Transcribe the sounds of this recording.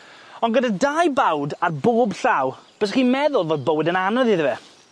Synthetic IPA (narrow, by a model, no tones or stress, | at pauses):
ɔnɡədadajbawdarboːbɬawb̥əs̬χiːmɛðʊlˠvoːdbowɪdənanɔðiðvɛ